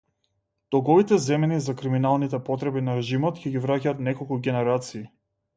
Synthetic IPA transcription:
t̪ɔɡɔvit̪ɛzɛmɛnizakɾiminalˠnit̪ɛpɔt̪ɾɛbinaɾɛʒimɔt̪cʲɛɡivɾacaːt̪nɛkɔlˠkuɡʲɛnɛɾat̪siː

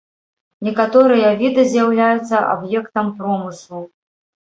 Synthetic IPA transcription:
nʲɛkat̪ɔɾɨjɐvʲid̪ɨzʲjawlʲajut̪sːɐʔa̰bjɛkt̪ɐmpɾɔmɨslˠu

